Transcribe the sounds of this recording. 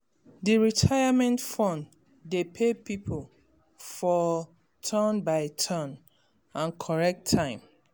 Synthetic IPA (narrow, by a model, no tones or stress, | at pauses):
diɹitʰajamɛ̃ntfɔ̃n | depʰepipʰol | fɔ | tʰɔ̃nbaɪtʰɔ̃n | ãnkʰɔɹɛk̚tʰːãɪ̃m